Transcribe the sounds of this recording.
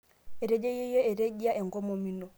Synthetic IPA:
e˨ɾe˨d͡ʒe˦je˦jo˦e˨ɾe˦d͡ʒi˦a˦ʔe˨ŋɡo˦mo˨mi˦no˨

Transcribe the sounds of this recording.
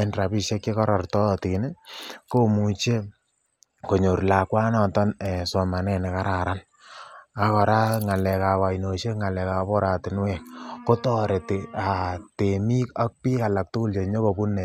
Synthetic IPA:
ɛ˦nɾa˨pi˦ʃe˦kːe˦kɔ˦ɾɔ˨rtɔ˦tin˦ko˦mu˨t͡ʃe˦ | ko˨ɲo˨ɾla˨kwa˦nɔ˨tɔ˦nɛ˨sɔ˨ma˨nɛ˨ne˨ka˦ɾa˨ɾa˦n | a˨kɔ˨ɾa˦ŋa˨lɛ˨ka˨wa˨ino˨ʃe˦ŋa˨lɛ˨ka˨pɔ˦ɾa˨tɪ˨nwɛ˦˨kko˦tɔ˦˨ɾe˨te˨a˨te˨mi˦ka˦k̚pi˦ka˨la˨k̚tu˦ku˦lt͡ʃe˨ɲo˦ko˨pu˦nːɛ˨

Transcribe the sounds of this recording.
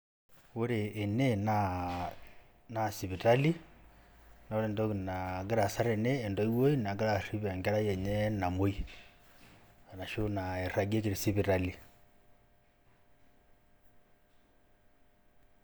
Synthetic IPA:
o˦ɾe˨ʔːnɛ˦na | na˦si˨βi˨ta˦li˦ | na˨o˦ɾɛ˨ndɔnaɡɛ˦ɾa˨sa˦ɾɛ˨nɛː˦˨ndɔ˨i˦wo˦i˦na˨ɡɛ˦ɾa˨ri˦βɛ˨ŋɡɛ˦ɾa˦jɛ˨ɲɛ˦na˨mo˦i˦ | a˨na˨ʃo˦na˨ɛ˨ɾa˨ɡe˦k̬i˨ɾi˨si˦βi˨ɾa˦li

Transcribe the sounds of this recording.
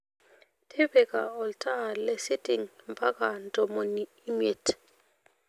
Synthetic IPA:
tʰe˦bɛ˨ka̰˨ɔ˨ltʰʼa˦˨lɛ˦si˦ti˨ŋmpa˦ka˨n˦tʼɔ˨mo˨niː˦me˨t

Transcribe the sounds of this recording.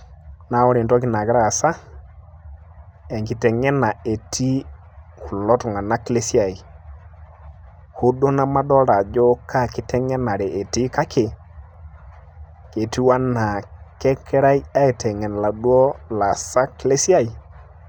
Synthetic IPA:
na˨˦ɔ˦ɾi˨ntɔ˦kɪ˨na˨kɪ˦ɾa˦˨sa˦ | ɛ˨ŋki˨tɛ˨ŋɛ˦na˨e˨tʰi˦ | ku˨lɔ˦tʊ˨ŋa˨na˦kle˦si˦a˨i˨ | ho˦do˦na˦ma˦dɔ˦ɾa˨d͡ʒɔ˦kʰa˦˨kɪ˦tɛ˦ŋɛ˦na˨ɾe˨ʔe˨ti˦ka˦kʰe˨ | ke˨ti˦wa˦na˨kɛ˦kʰɛ˦ɾa˦i˦a˦e˨tɛ˨ŋɛ˨n˨la˨dwɔ˦la˨sa˦kle˦si˦a˦i˨

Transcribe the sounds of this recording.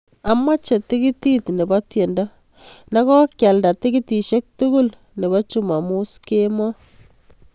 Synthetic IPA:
a˨mːa˦t͡ʃe˨tɪkɪ˦titne˨batje˨nda | na˦kɔ˦kja˨lda˨tɪ˦ɡɪti˨ʃe˦k̚tuɡul | ne˨ba˦t͡ʃuma˨mu˦skemɔ

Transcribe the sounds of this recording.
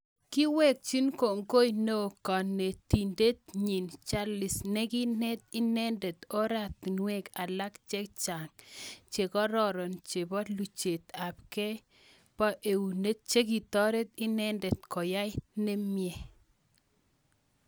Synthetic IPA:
ki˦wɛ˦˨k̚t͡ʃi˦nko˨ŋɡo˦jno˦˨kɔ˨nːe˨ti˨nde˦t̪̚ɲi˨nt͡ʃa˦lɪ˨sne˦ki˦nɛ˦t̪̚ɪ˦nɛ˦ndɛ˨t̪ɔ˦ɾa˦˨t̪nwe˦ka˨la˦kt͡ʃe˦k̚t͡ʃa˨ŋt͡ʃe˨kɔ˦ɾɔ˦ɾɔ˨nt͡ʃe˨bɔ˦lu˨t͡ʃe˨t̪a˨p̚kɛ˦ | pa˦ʔe˨u˨ne˦t̪̚t͡ʃe˦k̬i˨t̪ɔ˦ɾɛ˦t̪ɪ˦nɛ˦ndɛ˨t̪kɔ˨ja˦jne˦mjɛ˨

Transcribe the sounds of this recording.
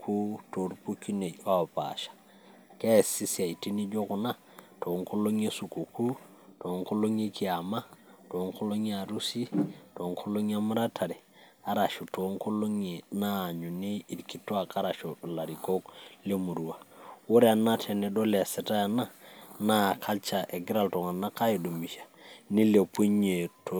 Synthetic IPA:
kʰu˦to˨ɾpu˦ki˦ne˨ɟwa˦˨pa̰ʃḁ˨ | ke˦˨si˦si˨a˨i˨ti˦ni˦d͡ʒo˦ku˨na˦ | to˨ŋko˦lo˦ɲe˦su˨ko˨ku˦ | to˨ŋko˦lo˦ɲe˦ki˨a˨ma˦to˨˦ŋko˦lo˦ɲe˦a˨ɾu˦si˦to˨ŋkʰo˦lo˦ɲ˦a˦ma˦ɾa˦tʰa˨ɾe˨ | a˦ɾa˨ʃu˨to˨˦ŋko˦lo˦ŋe˨naː˦˨ɲu˨ni˦i˨ɾki˦to˦a˨ka˦ɾa˨ʃo˨la˨ɾi˨ko˦kle˦mu˨ɾu˨wa˨wo˦ɾe˦a˨na˦tʰe˨ne˨do˦le˨se˨ta˦ja˨na˦na˦˨kʰa˦lt͡ʃa˨ʔe˨ɡi˦ɾa˦lto˨ŋa˨na˦ka˦ji˨do˨mi˨ʃḁ˨ni˦le˨pu˦ɲe˨to˦

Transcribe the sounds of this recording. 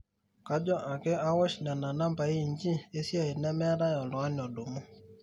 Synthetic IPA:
ka˦d͡ʒɔ˦ʔa˨kɛ˦a˦wɔ˦t͡ʃn˨a˨na˨na˦mba˨i˦˨ɲd͡ʒi˦e˦sja˦˨i˨nɛ˦mɛ˦a˦ɾa˦jɔ˨lɔ˨a˦n˨ɔ˨do˨mu˦

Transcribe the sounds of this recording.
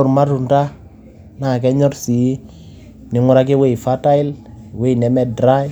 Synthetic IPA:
ʊ˨ɾma˦tu˨nta˦ | na˨kɛ˦ɲɔ˦ɾsi˨˦ | ni˨˦ŋʊ˦ɾa˦k̬e˦we˦˨i˨fa˦ta˦i˦lwe˦˨nɛ˨mɛ˦dɾa˦j

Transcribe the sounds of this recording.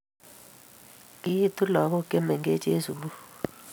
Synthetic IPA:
i˦tʼu˦la˨k̬ɔ˦kʼɛ˦mɛ˨ŋɡɛ˦d͡ʒʱʼe˦zu˨u˦

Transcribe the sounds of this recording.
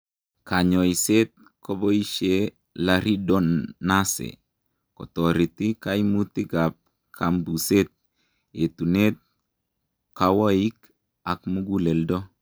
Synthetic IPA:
ka˨ɲɔ˨iset̪̚ | ko˦bo˦i˦ʃe˦ | laɾi˦dɔ˦nːa˦sḛ˨ | kɔ̰˨tɔ˨ɾi˨ti˦kaimuti˦ɡa˨p̚ | kʰa˨mbu˨se˦t̪̚ | e˨tu˨ne˦t̪̚ | kawo˦i˦k | a˨kmuɡu˦le˨ldo˦

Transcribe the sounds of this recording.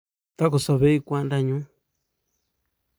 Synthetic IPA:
t̪a˦ko˨sa˧βe˦i˧kʷã˦˧nɾa˧˨ɲũ˦

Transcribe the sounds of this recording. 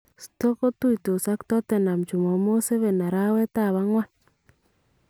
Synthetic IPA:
sto˦ko˦tu˦i˨to˨sa˦ktɔ˦tɛ˨na˨mt͡ʃu˨mɔ˨mo˦se˦βɛ˨na˨ɾa˦wɛ˦ta˦˨βa˦ŋwa˦n

